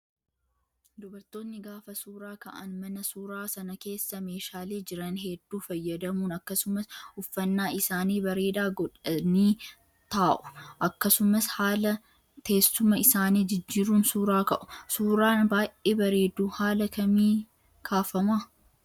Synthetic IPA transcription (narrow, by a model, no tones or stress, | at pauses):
d̪ʊbɐɾt̪o̞ːnːɪɡaːfɐsuːɾaːkɐʔɐ̰nmɐnɐsuːɾaːsɐnɐke̞ːsːɐme̞ːʃaːle̞ːd͡ʒɪɾɐnɦɛd̪ːuːfɐjːɐd̪ɐmuːnɐkːɐsʊmɐsʊfːɐnːaːɪsaːniːbɐɾe̞ːd̪aːɡɔᶑɐniː | t̪aːʔʊ̥ʔɐkːɐsʊmɐshaːlɐ | t̪e̞ːsːʊmɐɪsaːniːd͡ʒɪd͡ʒːiːɾuːnsuːɾaːkɐ̰ʔʊ̥suːɾaːnbaːjʔeːbɐɾe̞ːd̪uːhaːlɐkɐmiː | kʰaːfɐmaː